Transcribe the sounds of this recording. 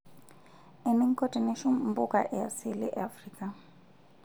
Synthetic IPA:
ɪ˨mɪ˦ŋ̩˦kʼɔtʼɛ˨ne˦ʃʊ˦m̩˦bʊ˦kʼa̰ʔɛasɪ˦lɪ̰˦ʔafriːkʼa

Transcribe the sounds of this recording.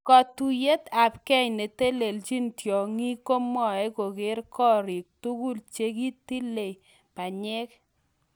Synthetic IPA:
kɔ˨tu˨je˦t̪a˨pkɛ˦ɲne˨te˦le˨lt͡ʃi˦ntjɔ˨ŋi˦ko˦mɔ˨e˦ko˨ɡɪ˦ɾkɔ˦ɾɪ˨k̚tu˦ku˦lt͡ʃe˦ki˦ti˦le˨ | pa˨ɲɛ˦k

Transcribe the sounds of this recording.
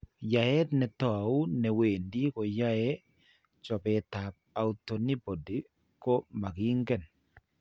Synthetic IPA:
ja˨e˦t̪nɛ˨t̪ɔ˨u˦nɛ˨we˨ndi˦ko˨ja˦e˦ | t͡ʃɔ˨be˨t̪a˨p̚a˨u˨t̪o˨ni˦bo˨di˨ | ko˦ma˨ɡi˦ŋɡɛ˦˨n

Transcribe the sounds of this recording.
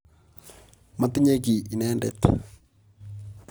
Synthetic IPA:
ma˨t̪ɪ˦ɲe˦k̬i˨ʔi˨nɛːndɛ̰˨t̪

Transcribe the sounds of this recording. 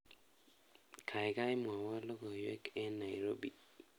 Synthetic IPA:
kʰa˨jka˦jmwa˨wa˦lɔ˦ɡɔ˨jwɛ˦kɛ˦na˨jɾo˦bi˨

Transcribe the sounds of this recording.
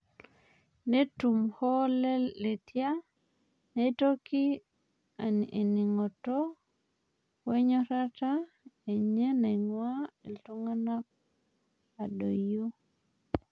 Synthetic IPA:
ne˦tu˨mho˦le˦e˨ti˦a˦ | ne˦to˦ki˦ | ane˨ni˨ŋo˨to˦ | we˦ɲo˦ta˦ta˦ | e˨ɲe˦na˨jŋwa˦e˨ltu˦ŋa˦na˦k̚ | a˨do˨jo˦

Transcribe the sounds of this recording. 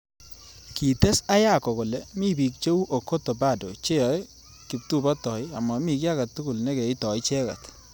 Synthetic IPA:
ki˨tɛ˦sa˦ja˦kɔ˨ko˨lɛ˨mi˦bi˨k̚t͡ʃo˦u˦ʔo˨ko˦to˨ba˦˨do̰˨t͡ʃe˦jɔ˨j | kɪ˨p̚tu˦bɔ˦tɔ˨ɪ˦a˨ma˨mi˨k̬ja˦ka˨tːu˦ku˨lnɛ˦kɛ˨ɪ˦tɔ˨ɪ˦t͡ʃɛ˦ka̰˨t

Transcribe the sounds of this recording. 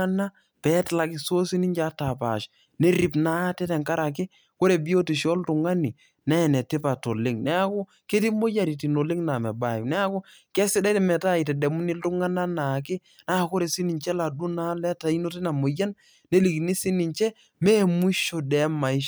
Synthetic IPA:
a˦na˦ | pɛ˨˦tla˨kɪ˨so˦si˦ni˦ɲd͡ʒa˦ta˨pa̰˨ʃ | ne˦ɾi˨pna˦tɛ˦tɛ˨ŋka˦ɾa˨k̬ɪ˦ | ko˦ɾe˨bi˦o˦ti˨ʃɔ˦ltʊ˨ŋa˦ni˨ | na˦˨nɛ˨tɪ˦pa˨to˨lɪ˦ŋnɛ˦a˦kʊ˦ | ke˦ti˦mo˦ja˨ɾi˨ti˨no˨lɪ˦ŋna˨mɛ˨ba˨nɛ˦a˦kʊ˦ | kɛ˦sɪ˦dɛ˦tɛ˨mɛ˨ta˦˨i˨tɛ˨dɛ˨mu˦ni˦ltu˦ŋa˦na˦na˨kɪ˦ | na˦˨ko˦ɾe˨si˦ni˨ɲt͡ʃɛ˦la˨du˦na˦lɛ˦ta˨i˦no˦ti˦na˨mo˨ja˦n | ne˦li˨kni˦si˦ni˨ɲt͡ʃɛ˦ | mɛ˦mu˦ʃo˨dɛ˨˦ma˨i˦ʃ

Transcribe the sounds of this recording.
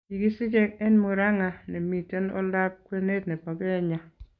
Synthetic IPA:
i˨ɡi˦sɪ˦d͡ʒɛ˦k̚ɛ˦nmo˨ɾa˦ŋa˨nɛ˨mi˨te˦nɔ̰˦la˦p̚kwe˦ne˦tnɛ˨pɔ˨ɡɛ˦ɲa˨

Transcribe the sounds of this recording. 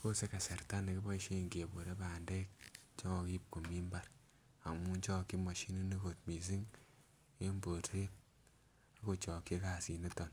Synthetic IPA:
ko˦se˦ka˨se˨ɾta˦ni˨ki˦bɔ˦i˦ʃe˦˨ŋɡe˨bo˨ɾe˦ba˨nde˦k̚t͡ʃɔ˦ŋɔ˨ki˦p̚ko˨mi˦mba˦ɾ | a˨mu˦nt͡ʃɔ˦ki˦mo˨ʃi˦ni˦ni˦ko˨t̚mi˨s̬i˦ŋ | e˦mbo˨tʰe˦p̚ | a˨ko˨t͡ʃɔ˨ki˦ka˨si˨ne˦tɔ˨n

